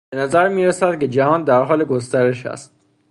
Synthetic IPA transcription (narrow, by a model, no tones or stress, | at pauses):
benæzæɾmiːɾesæd̪̚ke̞d͡ʒæhɒːnd̪æɾɦɒːleɡost̪æɾe̞ʃæ̰st̪̚